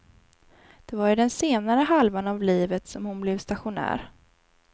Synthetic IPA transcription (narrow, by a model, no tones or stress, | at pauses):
d̪̥ɛvaɾʏd̪ɛnseːnaɾəɦalvanavliːvət̪sɔmhʊnblɛvst̪aɧʊnæ̰ːɾ